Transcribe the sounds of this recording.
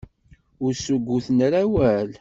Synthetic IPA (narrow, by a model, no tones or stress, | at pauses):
ʊɾsuɡʷːuθnɾæwæl